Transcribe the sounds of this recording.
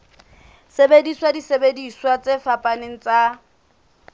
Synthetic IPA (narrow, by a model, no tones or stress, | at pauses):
sebediswadisebediswat͡sʼefapʼaneŋ̩t͡sa